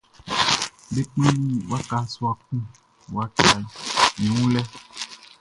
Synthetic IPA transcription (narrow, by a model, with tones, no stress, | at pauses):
be˦k͡pĩ˦i˦wa˦ka˨˦su˦a˨k̚ũ˦ | w̰a˦t͡ʃa˨jĩ˨wũ˦lɛ˦